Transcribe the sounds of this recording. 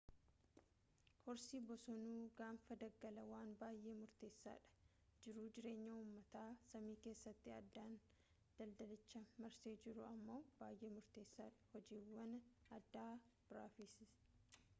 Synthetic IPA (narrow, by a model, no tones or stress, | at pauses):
hɔɾsiːbɔsɔnuːɡaːmfɐd̪ɐɡɐlɐwaːnbaːjʔe̞ːmʊɾt̪e̞ːsːa̰ːᶑɐ̥ | d͡ʒɪɾʊd͡ʒɪɾe̞ːɲːɐuːmːɐt̪aːsɐmiːke̞ːsːɐt̪ːɪɐd̪ːaːn | d̪̥ɐld̪ɐlɪt͡ʃːɐmɐɾseːd͡ʒɪɾʊɐmːo̞ːbaːjʔe̞ːmʊɾt̪e̞ːsːaːᶑɐ̥hɔd͡ʒiːwːɐnɐd̪ːaːb̥ɪɾaːfiːsɪs